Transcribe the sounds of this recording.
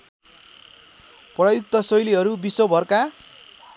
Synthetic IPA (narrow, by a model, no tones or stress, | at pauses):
prʌjuk̚t̪ʌsʌjliɦʌɾubisobʱʌrka